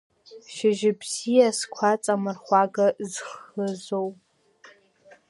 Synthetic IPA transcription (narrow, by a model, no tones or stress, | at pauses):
ʃɪʒɪbz̥ijaskʷʰat͡sʼamɨrχʷaɡazχəzow